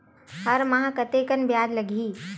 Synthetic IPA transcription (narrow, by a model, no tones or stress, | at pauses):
hɐɾmɐɦãkɐt̪ekənbjaːd̪lɐɡʱiː